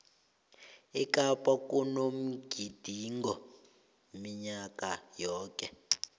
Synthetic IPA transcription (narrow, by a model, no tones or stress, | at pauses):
ikʼapʼakʼunom̩ɡ̥ʱid̥ʱiŋɔ | miɲakʼajɔːkʼɛ